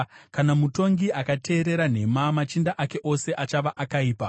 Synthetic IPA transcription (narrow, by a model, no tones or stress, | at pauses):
kanamuto̞ŋɡiʔakate̞ːɾe̞ɾan̤e̞mamat͡ʃindaʔake̞ʔo̞se̞ʔat͡ʃaʋaʔakaiːpa